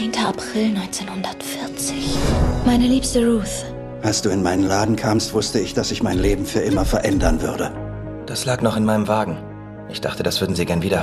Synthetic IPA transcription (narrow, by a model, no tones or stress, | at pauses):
eːntʰəapʁ̥ɪlnɔʏnt͡seːnhʊndɐtfɪɐt͡sɪ̥çmaɪnəliːpstəʁuːθ | ʔalsd̥uːɪnmaɪnənlaːdn̩kʰaːmstv̥ʊstəɪçd̥asɪçmaɪnleːbm̩fyːɐʔɪmɐfɛɐʔɛndɐnvʏɐdə | d̥aslaːknɔχɪnmaɪnəmvaːɡŋ̩ | ʔɪçd̥aχtəd̥asv̥ʏɐdn̩ziːɡɛɐnviːdɐ